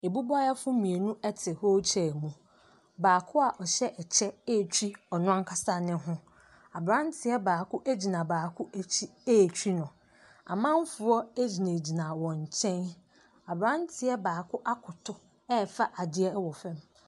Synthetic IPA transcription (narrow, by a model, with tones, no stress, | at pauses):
e˨bu˦ba˦ja˦fʊ˦mĩ˨e˨nũ˦ɛ˦tʰɪ˨ho˦t͡ɕʰɛ˨mũ˨ | baː˨kʰʊ˦a˨ʔɔ˨ɕɛ˦ʔɛ˨t͡ɕʰɛ˦e˦˨t͡ɕᶣi˦ɔ˨nʊ̃˦ã˦ŋkʰa˦sa˦nɪ̃˦ɦʊ̃˦ | a˨bɾã˦ntʰɪ˨ɛ˦baː˨kʰʊ˦ʔæ˦d͡ʑi˨nã˨baː˨kʰʊ˦ʔæ˨t͡ɕʰi˦e˦˨t͡ɕʰᶣi˦nʊ̃˨ | a̰˨mã˦m˦fʊ˨˦ɔ˦æ˦d͡ʑi˨nẽ˨d͡ʑi˨nã˨wɔ̃˨ɲ˨t͡ɕʰɛ̃˦n | a˨bɾã˦n˦tʰɪ˨ɛ˦baː˨kʰʊ˦ʔa˦kʰʊ˨tʰʊ˦ | ɛ˦˨fa˦ʔa˨dɪ˦ɛ˦wɔ˨fɛ̃˦m